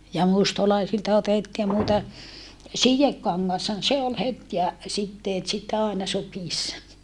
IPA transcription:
jɑ mustɑlɑisiltɑ otetːiː nuitɑ sijekːɑŋːɑshɑn se ol het jɑ sitːeːt sit ɑˑenɑ sukiˑsːɑ

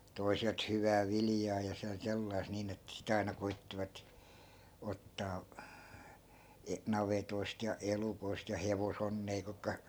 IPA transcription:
toi̯selt hyʋæː ʋiljɑː jɑ sen selːɑi̯st̆ niːn etːæ̆ sit ɑinɑ koitːiʋɑt otːɑː e nɑʋetoist jɑ elukoist jɑ heʋosonːeː kukːɑ

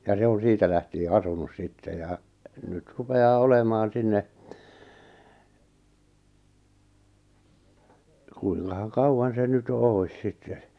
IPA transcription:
jɑ se on̞ siːtæ læhtie ɑsunus sitːe jɑ nyt rupeɑː olemɑːn̞ sinːe kuiŋkɑhɑŋ kɑuwɑn se nyt jo oˑi̞s sitːe

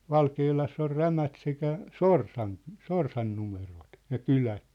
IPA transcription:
ʋɑlkeːlɑsː or ræmæt sekæ sorsɑn sorsɑn numerot jɑ kylæ

